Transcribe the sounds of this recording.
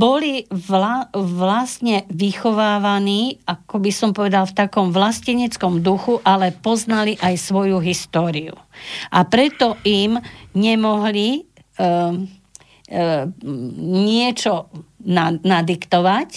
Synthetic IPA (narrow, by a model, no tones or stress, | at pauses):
bɔliʋlaʋlast̪ɲɛʋixɔʋaːʋaniːakɔbisɔmpɔʋɛd̪alft̪akɔmʋlasciɲɛt͡skɔmd̪uxuʔalɛpɔznaliʔajsʋɔjuɦist̪ɔːɾiṵʔapɾɛt̪ɔʔimɲɛmɔɦli | ɲɪɛt͡ʃɔnanad̪ikt̪ɔʋac